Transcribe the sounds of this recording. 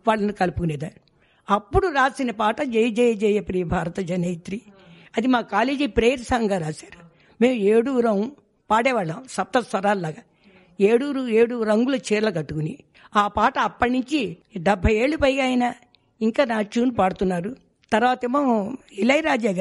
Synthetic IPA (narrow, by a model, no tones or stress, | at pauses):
ʋaːɭːɐnukɐlupukuneːd̪aː | ɐpːuɽuɾaːsinɐpaːʈɐd͡ʒɛjɐd͡ʒɛːjɐd͡ʒɛːjɐpɾiːjɐbʱaːɾɐt̪ɐd͡ʒɐnejt̪ɾi | ɐd̪imaːkaːleːd͡ʒiːpɾeːɾsaːŋɡaːɾaːsḁːɾu̥ | me̞ːmueːɽuːɾɐwu | paːɽɛːʋaːɭːaːmsɐp̚t̪ɐsʋɐɾaːllaːɡa | eːɽuːɾueːɽuɾɐŋɡulɐt͡ʃɛːɾlɐkɐʈːukuni | aːpaːʈɐːpːɐʈnuɲt͡ʃiɖɐbʱːɐje̞ːɭːupɐjɡaːjɐna | iŋkaːnaːt͡ʃuːnpaːɽut̪unːaːɾu | t̪ɐɾʋaːt̪emoːilɐjɾaːd͡ʒaːɡa